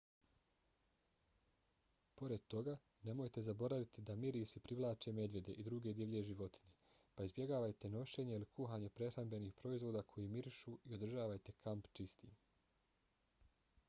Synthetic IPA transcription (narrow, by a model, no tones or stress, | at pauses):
po̞ɾe̞d̪̚t̪o̞ɡa | ne̞mo̞jt̪e̞zabo̞ɾaʋit̪id̪amiɾiːsipɾiʋlˠaːt͡ʃeme̞d̪ʋje̞d̪e̞ʔid̪ɾuɡe̞d̪jiʋʎe̞ʒiʋo̞t̪i̥ɲe | paizbje̞ɡaːʋajt̪e̞no̞ʃe̞ːɲe̞ilikuɦaːɲepɾe̞xɾambe̞niːxpɾo̞izʋo̞ːd̪akʰo̞jiːmiɾiʃuio̞d̪r̩ʒaːʋajt̪e̞kʰampt͡ʃist̪iːm